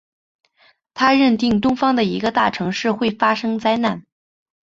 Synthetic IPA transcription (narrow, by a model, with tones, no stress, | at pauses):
t̪ʰa˥ɻə˥˧nt̪i˥˩ŋt̪̬ʊ˥ŋfɑ˥ŋd̪ə˨i˧˥ɡə˧t̪a̰˥˩ʈ͡ʂʰɤ˧˥ŋʂɻ̩˥˧xwe˥˩ɪfa˥ʂɤ˥ŋt͡sa˥ɪna˥˩n